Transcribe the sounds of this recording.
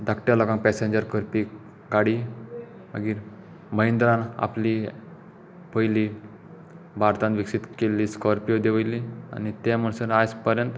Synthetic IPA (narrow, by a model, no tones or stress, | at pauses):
d̪ʱakʈjalɔɡãŋpɛsẽɲd͡ʑəɾkəɾpi | ɡaɽi | məɡiːɾ | məjnd̪ɾãna̰pli | pʰəjli | baɾt̪ãnʋiksit̪kelːiːskɔɾpijod̪eʋəjlia̰nit̪ɛm̤əɳsənaspəɾjənt̪